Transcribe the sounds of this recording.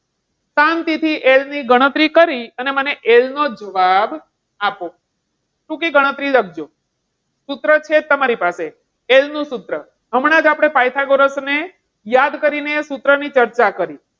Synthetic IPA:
sant̪it̪ʰiʔelniɡəɽ̃ət̪ɾikəɾiəneməneʔelnod͡ʒəʋab | apo | ʈũkiɡəɽ̃ət̪ɾilək̚ʰd͡ʒo | sut̪ɾət͡ʃʰet̪ːəmaɾipase | elnũsut̪ɾə | ɦəmɽ̃ãd͡ʒapɽ̃epajt̪ʰaɡoɾəsne | jad̪kəɾinesut̪ɾənit͡ʃəɾt͡ʃakəɾi

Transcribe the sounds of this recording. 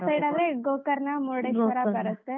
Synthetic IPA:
ɐjɖaːd̪ɾeɡoːkɐɾnɐmoɽeɐɾakɐɾɐst̪ːe

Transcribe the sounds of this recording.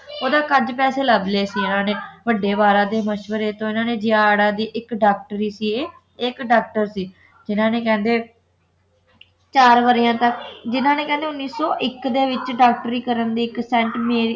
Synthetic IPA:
oːd̪aːkəd͡ʒpɛːseːləbleːsiːɪnãːneːʋəɖːeːʋaːɾãːd̪eːməʃʋəɾeːt̪õːɪnãːneːd͡ʒɪjaːɽãːd̪iːʔɪkɖaːk̚ʈɾiːsiːeː | ekɖaːk̚ʈəɾsiː | d͡ʒɪnãːneːkɛ̃ːnd̪eː | t͡ʃaːɾʋəɾɪjãːt̪əkd͡ʒɪnãːneːkɛ̃ːnd̪eːʊnːiːsɔːʔɪkd̪eːʋɪt͡ʃɖaːk̚ʈɾiːkəɾənd̪iːɪksɛ̃ɳʈmeːɾ

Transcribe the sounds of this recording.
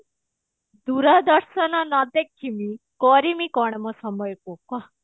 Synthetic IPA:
d̪uɾad̪əɾʃənanad̪ekʰːimi | kɔɾimikɔɳ̃mõsɐməjkokwa

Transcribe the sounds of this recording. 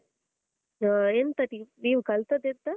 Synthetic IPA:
aent̪ɐʈiniːʋkɐlt̪ɐd̪ent̪ɐ

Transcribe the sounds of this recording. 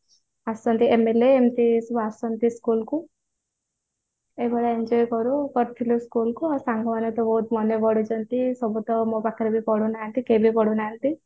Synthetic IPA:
asɔnt̪iemeleːmt̪isubasɔnt̪iskulku | ebɔɽaeɲd͡ʒɔjkɔɾukɔɾt̪ʰiluskulkuasaŋɡʱɔmanɔt̪ɔbɔɦut̪mɔnebɔɽud͡ʒɔnt̪isɔbut̪ɔmobakiɾɔbipɔɽunaːnt̪ikebʱipɔɽunaːnt̪i

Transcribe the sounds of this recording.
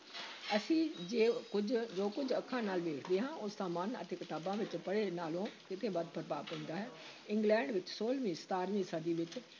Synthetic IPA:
əsĩːd͡ʒeːkʊd͡ʒd͡ʒoːkʊd͡ʒʱəkʰːãːnaːlʋeːkʰd̪eːɦãːʔʊsãːmənə̰t̪eːkɪt̪aːbãːʋɪt͡ʃpəɽenaːlõːkɪt̪ʰeːbəd̪̚pəɾbaːpɪ̃ːnd̪aːɦɛː | ɪ̃ŋɡlɛ̃ːɳɖʋɪt͡ʃsoːlʋĩːst̪aːɾnĩːsəd̪iːʋɪt͡ʃ

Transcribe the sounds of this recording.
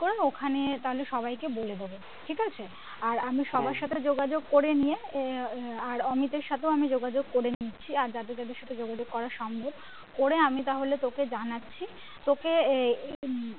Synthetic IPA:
koɾeokʰanet̪aɦoleʃɔbajkeboled̪ebo | ʈʰikat͡ɕʰe | aɾamiʃɔbaɾʃat̪ʰed͡ʑoɡad͡ʑoɡkoɾenije | aɾɔmit̪eɾʃat̪ʰeoamid͡ʑoɡad͡ʑoɡ̚koɾenit͡ɕʰiaɾd͡ʑat̪̬ed͡ʑad̪eɾʃat̪ʰed͡ʑoɡad͡ʑoɡ̚kɔɾaɾʃɔmbʱob̚ | koɾeamit̪aɦolet̪oked͡ʑanatːɕʰi | t̪oke

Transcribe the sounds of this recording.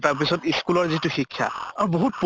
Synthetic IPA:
taɹp̬isɔtiskulɔɹzitʊxikʰːja̰aɹuboɦut̚p

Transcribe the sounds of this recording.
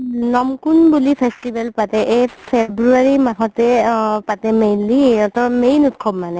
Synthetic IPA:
nɔmkunbulipʰestibɛlpatɛʔepʰebɹuaɹimaɦɔtɛpatɛmejliɔtɔmejnut̚kʰɔbmanɛ

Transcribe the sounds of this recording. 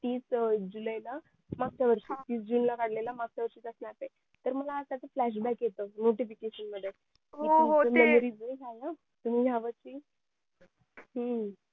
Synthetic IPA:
t̪iːsd͡ʑulajla | maɡ̚t͡ɕjaʋəɾʂiːt̪iːsd͡ʑuːnlakaɽ̤lelamaɡ̚t͡ɕaʋəɾʂiːt͡s̪əsnaɾt̪e | t̪əɾməlaːsat͡səflæɕ̬bɛkjet̪əːnoʈifikeɕənməd̪ʱːje | ooəmemoɾiːd͡zikʰaja | t̪um̤iːjaʋəɾt͡ɕiː | ɦə

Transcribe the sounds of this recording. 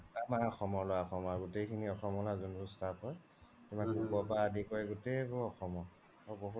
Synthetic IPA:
amaɔxɔmɔlɔwaɔxɔmɔaɡutejkʰiniɔxɔmɔlazunbustʰapɔɹ | tumaubɔpaadikɔjɡutebʊɹɔxɔmɔ | ɔboɦu

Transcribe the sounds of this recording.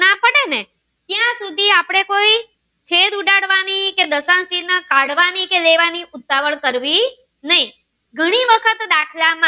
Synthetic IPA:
nãpəɽene | t̪jãsud̪ʱiapɽ̃ekoi | t͡ʃʰed̪uɖaɽʋaniked̪əsãnsinəkaɽʋanikeleʋaniʔʊt̪ːaʋəɭkəɾʋi | nəɦĩ | ɡʱəɽ̃iʋəkʰət̪d̪akʰlamã

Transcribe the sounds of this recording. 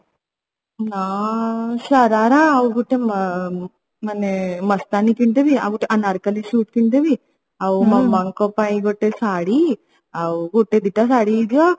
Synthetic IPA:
naːʃɐɾaːɾaːwuɡuʈːem | mɐnemɐst̪aːnikiɳʈ̪eʋia̰ɡuʈːeʔanɐɾkɐliʃuːʈ̚kiɳʈ̪eʋi | ɐwumɐmɐŋkopajɡoʈːesaːɽi | ɐwuɡuʈːed̪iʈːasaːɽiːd̪jo

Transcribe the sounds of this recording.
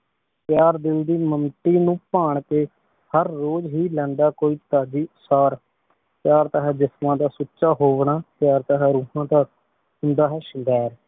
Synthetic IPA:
pjaːɾd̪ɪld̪iːməmt̪iːnũːpaːɳkeː | həɾːoːd͡ʒɦiːlɛ̃ːnd̪aːkoːiːt̪aːd͡ʒiːʊsaːɾ | pɪjaːɾt̪aːɦɛːd͡ʒɪsmãːd̪aːsuːʃaːɦoːʋɳaːpjaːɾt̪aːɦɛːɾũːɦãːd̪aː | ɦʊnd̪aːɦɛːʃɪɡɛːɾ

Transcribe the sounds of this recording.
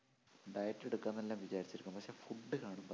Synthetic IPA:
ɖɐjɐʈːeɽukːɐnːelːaːmʋit͡ɕaːɾit͡ɕːiɾukʲːumpɐkʂe̞ːfuɖːɨkaːɳumpɐ

